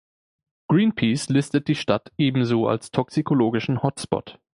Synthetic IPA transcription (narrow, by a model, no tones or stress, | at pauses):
ɡ̥ʁiːnpʰiːslɪstət̚d̥iːʃtatʔeːbm̩zoːa̰lstʰɔksikʰoloːɡɪʃn̩hɔtspɔ̰t